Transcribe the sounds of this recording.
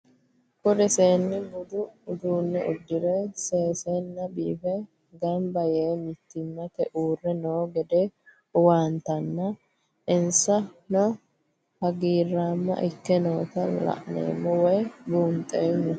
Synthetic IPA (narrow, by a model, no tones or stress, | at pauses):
kʊɾɛseːnːɪbʊd̪ʊd̪uːnːɛʔʊd̪ːɪɾɛseːsenːɐbiːfɛ | ɡɐmbɐjeːmɪt̪ːɪmːɐt̪ɛʔuːrːɛnoːɡɛd̪e | ʊwaːnt̪ɐnːɐ | ʔɪnsɐnɔ | hɐɡiːrːaːmːɐ̰ʔɪkːɛno̞ːt̪ɐlɐ̰ʔnḛːmːɔwɛjbuːmt̪ʼeːnːɐ